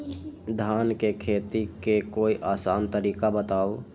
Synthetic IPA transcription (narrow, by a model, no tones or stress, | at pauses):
d̪ʱankekʰet̪ikekoiʔasa̰nt̪əɾikabət̪aw